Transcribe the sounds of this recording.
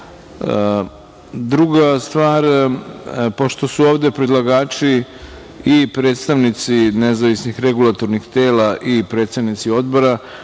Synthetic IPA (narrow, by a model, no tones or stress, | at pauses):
d̪ɾuɡast̪ʋaːɾ | po̞ʃt̪o̞suoːʋd̪e̞pɾid̪lˠaɡaːt͡ʃi | ipɾe̞ːt̪st̪aʋnit̪sinezaʋisnixɾeɡulˠat̪o̞ɾnixt̪e̞ːlaʔipɾe̞ːt̪seʋnit̪sio̞d̪bo̞ɾa